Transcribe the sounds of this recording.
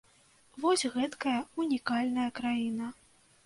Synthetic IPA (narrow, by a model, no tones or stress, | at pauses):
vɔsʲɣɛt̪kɐjɐunʲikalʲnɐjɐkɾajinɐ